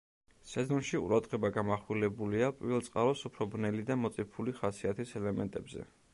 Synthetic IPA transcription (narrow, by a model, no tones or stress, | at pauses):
sɛzɔnʃiṵɾad̪ʁɛbaɡamaχwilɛbuliapʼḭvɛlˠt̪sʼqʼaɾɔsupʰɾɔbɾnɛlid̪amɔt̪sʼipʰuliχasiat̪ʰisɛlɛmɛnt̪ʼɛbzɛ̰